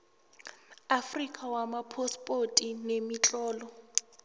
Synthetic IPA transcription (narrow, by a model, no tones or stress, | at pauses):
afrikʼawamapʰɔspʼotʼinemit͡ɬʼɔːlɔ